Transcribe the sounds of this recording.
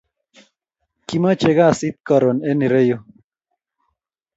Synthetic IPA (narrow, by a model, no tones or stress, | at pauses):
kimat͡ʃeɣasit̪̚kaɾoneniɾejo